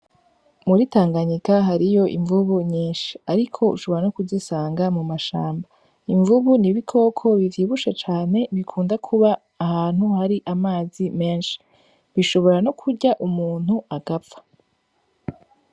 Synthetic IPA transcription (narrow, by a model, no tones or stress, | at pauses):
muɾitaːŋɡaɲikaɦaɾijo̞ʔḭɱvuβuɲiːnʃi̥aɾikʰo̞ṵʃo̞βo̞ɾanokuzisaːŋɡamumaʃa̰ːmba | iɱvuβuniβikʰo̞ːkʰo̞βiviβuʃet͡ʃaːne̞βikʰuːndakʰuβaː | haːn̥huhaɾiʔamaːzime̞ːnʃi̥ | βiʃo̞βo̞ɾano̞kʰuɾɟaʔumuːn̥huaɡapfḁ